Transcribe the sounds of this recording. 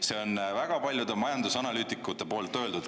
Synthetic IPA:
se̞o̞nvæɡ̥ɑpɑlʲjud̪emɑjɑnd̪usɑnɑlyːt̪ikːˑut̪ːˑe̞po̞ːlt̪ːˑøld̪ud̪̥

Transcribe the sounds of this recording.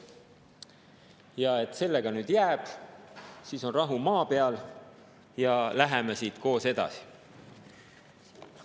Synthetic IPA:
jɑe̞t̪ːˑse̞lːe̞ɡ̥ɑnyːd̪̥jæːb̥ | siːso̞nrɑɦumɑːpe̞ɑl | jɑlæɦemesiːd̪ko̞ːse̞d̪̥ɑ̰si̥

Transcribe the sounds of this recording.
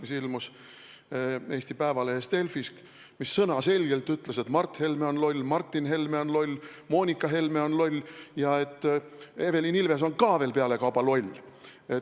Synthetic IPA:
misilmus | e̞ːsʲt̪ipæevɑleest̪e̞lfisk | misːɤnɑse̞lʲɡ̥e̞lt̪ːˑyt̪leset̪mɑrt̪he̞lmeo̞nlo̞lʲmɑrt̪ːinɦe̞lme̞onlo̞lʲmo̞ːnʲikːˑɑɦe̞lme̞o̞nlo̞lʲːjɑe̞t̪ːˑe̞ve̞linilve̞s̬o̞nkɑːve̞ːlpeɑle̞kɑwb̥ɑlo̞lʲ | e

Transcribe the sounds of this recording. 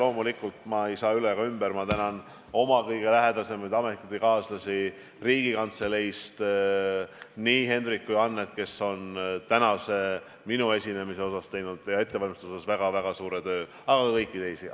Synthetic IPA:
lo̞ːmulikːˑult̪mɑe̞jsɑːylekɑymbeɾmɑt̪ænɑn | o̞mɑkɤjɡ̥e̞læɦe̞d̪̥ɑse̞mɑjd̪ɑme̞t̪kːˑit̪ːikɑːslɑsi | riːɡ̥ikɑnt̪selejst̪ | niːɦe̞nd̪ɾikːuɑnːet̪ke̞so̞nt̪ænɑse̞ | minue̞sʲine̞mise̞o̞sɑst̪e̞jnud̪̥jɑe̞t̪ːeɑlmist̪uoɑsvæɡ̥ɑvæɡ̥ɑsuːɾe̞t̪ø̞ː | ɑɡ̥ɑkɤjkːˑit̪e̞jsi

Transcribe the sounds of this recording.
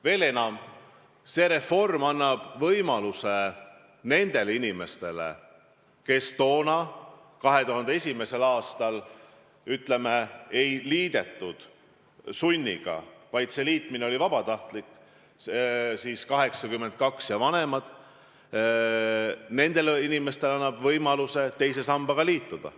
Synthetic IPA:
ve̞ːle̞nɑm | se̞ːɾe̞fo̞rmɑnːɑb̥vɤjmɑluse | ne̞nd̪̥e̞leinʲime̞st̪e̞lḛ | ke̞st̪o̞ːnɑ | kɑɦe̞t̪uɦɑnd̪̥ee̞sʲime̞se̞lɑːst̪ɑl | yt̪ˑle̞meejliːd̪e̞t̪ˑːud̪̥ | sunʲːḭɡ̥ɑ̰vɑjd̪̥se̞liːt̪ˑmineolivɑb̥ɑt̪ɑht̪likːˑ | siːskɑɦe̞ksɑkymːen̚kɑksjɑvɑne̞mɑd̪̥ | ne̞nd̪̥e̞linime̞st̪e̞lɑnːɑb̥vɤjmɑluse̞t̪e̞jse̞sɑmb̥ɑɡ̥ɑliːt̪ːˑud̪̥ɑ̰

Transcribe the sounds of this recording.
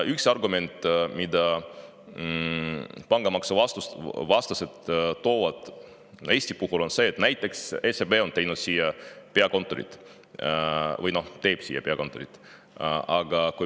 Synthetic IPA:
yksɑrɡume̞nt̪ˑmid̪ɑ | pɑŋɡ̥ɑmɑksɑvɑst̪usvɑst̪ɑset̪t̪ːo̞ːvɑd̪̥ | e̞ːsʲt̪ipuhulo̞nse̞ːt̪næjt̪ˑːe̞ksesebe̞o̞nt̪ejnud̪̥siːjɑpeɑko̞nt̪ːˑo̞ɾḭt̪ˑ | vɯjno̞ht̪e̞ːb̥siːjːɑpeɑ̰ko̞nt̪ːˑoɾḭt̪ːˑ | ɑɡɑkuj

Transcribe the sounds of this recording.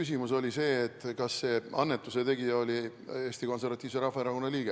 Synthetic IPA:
ysimuso̞lʲise̞ːt̪ːˑkɑsːe̞ːɑnːe̞t̪ːˑuse̞t̪e̞ɡiɑo̞lʲie̞ːst̪iko̞nservɑt̪ʲːˑiːvse̞ɾɑfːɑeɾɑko̞nːɑliːɡ̥e

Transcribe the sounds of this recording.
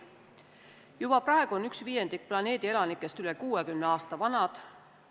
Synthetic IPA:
jub̥ɑprɑe̞ɡ̥uonyksviːje̞nd̪ik̚plɑne̞ːd̪ie̞lɑnikːˑe̞st̪yle̞kuːekymneɑːst̪ɑvɑnɑd̪̥

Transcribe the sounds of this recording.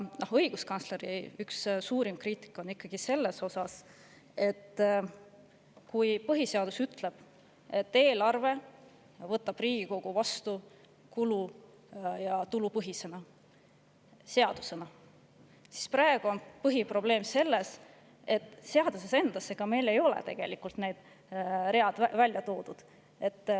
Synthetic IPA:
nohɤ̞jɡ̥uskɑnsle̞ɾijykssuːɾimkriːt̪ˑi̥kːˑo̞nikːɑɡ̥ise̞lːe̞so̞sɑs | e̞t̪ː | kujpɤɦise̞ɑd̪̥usyt̪ˑle̞b̥ | e̞t̪ːe̞ːlɑrve̞ | vɤt̪ːˑɑb̥riːɡ̥iko̞ɡ̥uvɑst̪u | kulu | jɑt̪ulupɤɦise̞nɑ | se̞ɑd̪̥use̞nɑ | si̥sprɑe̞ɡ̥uo̞npɤɦipro̞ble̞ːmse̞lːe̞s | e̞t̪ːˑse̞ɑd̪use̞se̞nd̪̥ɑsːe̞ɡ̥ɑme̞jle̞jo̞lḛt̪e̞̰ɡ̥e̞̰likult̪ne̞jd̪̥ | re̞ɑd̪̥vælʲjɑt̪o̞ːd̪̥ud̪̥ | e̞t̪ː

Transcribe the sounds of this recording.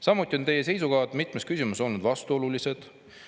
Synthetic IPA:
sɑmːut̪ʲːˑio̞nt̪e̞jese̞js̬ukɑːd̪̥mit̪ˑmeskysʲimuso̞lnud̪vɑst̪uo̞lulise̞d̪̥

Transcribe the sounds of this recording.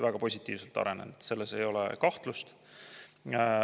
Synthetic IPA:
væɡ̥ɑpo̞sʲit̪ˑːiːvse̞lt̪ɑ̰ɾe̞nḛnd̪se̞lːese̞jo̞lɛ̰kɑht̪lust̪

